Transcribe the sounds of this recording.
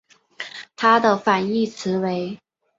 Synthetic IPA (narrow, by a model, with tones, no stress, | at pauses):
t̪ʰa˥d̪ə˨fa˨˩ni˥˩t͡sʰɹ̩˧˥we˧˥ɪ